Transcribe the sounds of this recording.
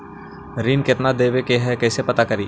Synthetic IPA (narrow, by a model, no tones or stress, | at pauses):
ɾiːnkɪt̪nad̪eːʋekeɦɛkɛːsepɐt̪akɐɾiː